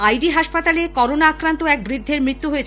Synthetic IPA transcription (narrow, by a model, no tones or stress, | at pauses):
ajɖiɦaʃpat̪alekɔɾonaakɾant̪oɛk̚bɾid̪ʱːeɾmɾit̪ːuɦojet͡ɕʰ